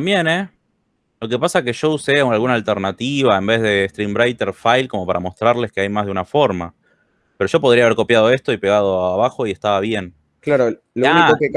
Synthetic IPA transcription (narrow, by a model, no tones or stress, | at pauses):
mbje̞ne | lo̞ke̞pasake̞ʃo̞usealɣunaːlt̪eɾnat̪iβ̞aembe̞zð̞e̞ːst̪ɾimbɾajt̪eɾfajlko̞mo̞paɾʔamo̞st̪ɾaɾle̞ske̞ajmazð̞eunafo̞ɾma | peɾo̞ʃo̞p̬o̞ðɾiaβeɾko̞pjað̞o̞e̞st̪o̞ipe̞ɣað̞o̞aβaxo̞ie̞st̪aβaβje̞n | klaɾo | loaikokek